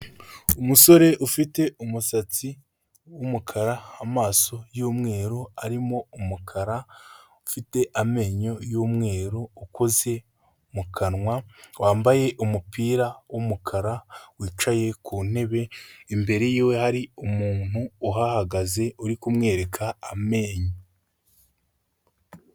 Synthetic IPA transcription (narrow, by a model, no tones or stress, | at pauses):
umuso̞ɾe̞ʔufite̞umusat͡si | wumukʰaɾaːmaːso̞juːmŋe̞ːɾo̞aɾimo̞umukʰaɾa | ufite̞ʔame̞ːɲo̞juːmŋe̞ːɾo̞ːko̞ze̞ | mukʰanŋwawaːmbaje̞ʔumupiːɾawomukʰaɾawiːt͡ʃaje̞kuːn̥e̞βe̞imbe̞ɾejiːwe̞haɾiumuːn̥huːɦahaɡaze̞uɾikumŋe̞ːɾe̞kʰaːme̞ːɲo